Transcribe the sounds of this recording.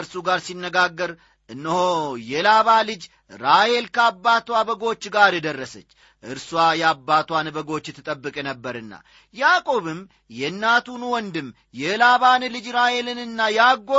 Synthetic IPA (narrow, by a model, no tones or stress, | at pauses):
ɾsuɡaɾsinːəɡaɡːəɾ | ʔɨnːəhojɛlaβalɨd͡ʒ | ɾahe̞lkʰəabːat̪wabəɡo̞t͡ʃːɡaɾjɛd̪ərːəsət͡ʃː | ʔɨɾswajɛabːat̪wanbəɡo̞t͡ʃːɨt̪ʰːɨt̪ʼəbːɨkʼnəbːəɾɨnːa̰ | jakʼo̞βɨm | jɛɨnːat̪ʰunwɔnd̪ɨm | jɛlaβanlɨd͡ʒɾahe̞lɨnɨnːajɛaɡo